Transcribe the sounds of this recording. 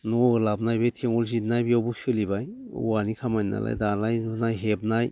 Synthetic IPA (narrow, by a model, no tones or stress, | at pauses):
nɔɯlab̚najbetʰeŋɔlzitnajbijawbusɯlibaj | ṵwanikʰamajna̰la̰jdalajnunajɦeb̚naj